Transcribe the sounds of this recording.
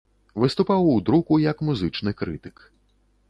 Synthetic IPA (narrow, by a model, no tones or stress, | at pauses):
ʋɪst̪ʊpɑwud̪ɾukʊjɐkmuzɨt͡ʃnɪkɾɪt̪ɪ̥k